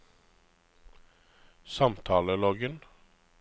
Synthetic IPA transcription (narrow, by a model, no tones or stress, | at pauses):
sɑmt̪ʰɑːləlɔɡən